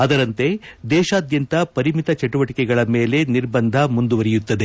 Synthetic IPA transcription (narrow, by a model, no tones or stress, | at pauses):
ɐd̪ɐɾɐnt̪e̞d̪ɛːʃaːd̪jɐnt̪ɐpɐɾimit̪ɐt͡ʃɛʈuʋɐʈikɛɡɐɭɐmeːle̞niɾbɐnd̪ʱɐmund̪uʋɐɾɛjut̪ːɐd̪e